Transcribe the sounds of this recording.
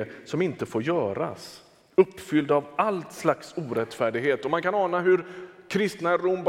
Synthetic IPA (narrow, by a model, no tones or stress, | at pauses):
əsɔmɪnt̪əfoːɾjœːɾa̰s | ɵpːfʏld̪avalt̪slaksuːɾɛt̪fæːɖɪɡɦeːt̪ɔmankʰanɑːnaɦɵɾkʰɾɪst̪naɾʊmb